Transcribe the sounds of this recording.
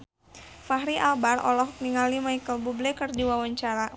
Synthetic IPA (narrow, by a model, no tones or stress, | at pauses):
faɦɾiʔalbarɔ̰lɔhkniŋalimajkəlbublekərdiwawaɲt͡ʃaɾa